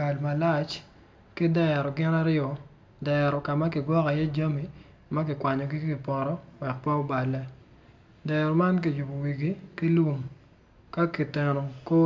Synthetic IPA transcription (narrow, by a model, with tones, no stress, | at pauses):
a˨lma˨la˦˨t͡ʃ | ki˦dɛ˦ɾɔ˨ɡɪ˦na˦ɾjɔ˨ | dɛ˨ɾɔ˨ka˨ma˦kɪ˨ɡwɔ˦ka˨jɛ˦d͡ʒa˦mi˨ | ma˦kɪ˨kwa˨ɲɔ˨ɡi˦kɪ˨pɔ˨ɾɔ˦wɛ˨k̚pa˦o˦ba˨lɛ˦ | dɛɾɔ˨ma˦nki˨ju˨bo˨wi˨ɡi˦ki˦lwu˦ŋ | ka˦ki˨tɛ˨nɔ˨ko˦